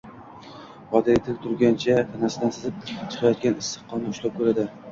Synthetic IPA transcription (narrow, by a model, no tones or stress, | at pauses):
vɒd̪aet̪ʰɪlʲt̪ʰʊɾɡʲant͡ʃʰat̪ʰanasɪd̪ansɪzɪp̚t͡ʃʰɨ̥qʰɑjɒt̪̚ɡʲanɪsːɨ̥qʰːɒnaʊʃlap̚kʲʰɵɾad̪ɪ